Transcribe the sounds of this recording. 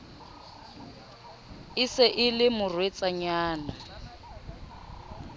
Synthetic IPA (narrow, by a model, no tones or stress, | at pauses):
ɪsɪʔɪlɪmʊrwet͡sʼaɲaːna